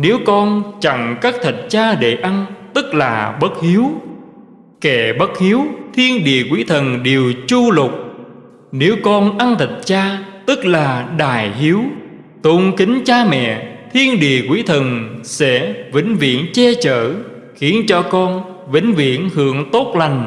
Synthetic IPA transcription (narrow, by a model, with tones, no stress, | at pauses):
ne˨˦wkɔ˧nt͡ɕa˧˩ŋkaː˦˥k̚t̪ʰə˨˩t̚t͡ɕaː˧ɗe˧˩ʔa˧nt̪ɨ˦˥k̚laː˨˩ɓə˦˥t̚hi˨˦əw | kɛ˧˩ɓə˦˥t̚hi˨˦əwt̪ʰi˧ənɗḭ˧˨əkwi˨˦t̪ʰə˨˩nɗe˨˩əwt͡ɕu˧lʊ˨˩k͡p̚ | ne˨˦wkɔ˧nʔa˧nt̪ʰə˨˩t̚t͡ɕaː˧t̪ɨ˦˥k̚laː˨˩ɗaː˨˩jhi˨˦əw | t̪o˧ŋkï˨˦ŋ̟t͡ɕaː˧mɛ̰˧˨t̪ʰi˧ənɗḭ˧˨əkwi˨˦t̪ʰə˨˩nsɛ̰˧˥vḭ̈˧˥˦ŋ̟vḭ˧˨ənt͡ɕe˧t͡ɕə̰ː˧˨ | xi˧˦ənt͡ɕɔ˧kɔ˧n | vï˧˥ŋ̟vḭ˧˨ənhɨ̰˧˨əŋt̪o˦˥t̚la˨˩jŋ̟